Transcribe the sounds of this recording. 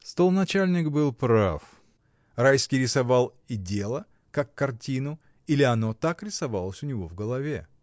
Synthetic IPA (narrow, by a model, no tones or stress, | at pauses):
st̪olˠnɐt͡ɕalʲnʲɪkbɨlˠpɾa̰f | rajskʲɪjɾʲɪsɐvalˠ | ɪdʲelˠə | kakːɐrtʲinʊ | ilʲɪɐno̞t̪akɾʲɪsɐvalˠəsʲʊnʲɪvo̞vɡəlˠɐvʲḛ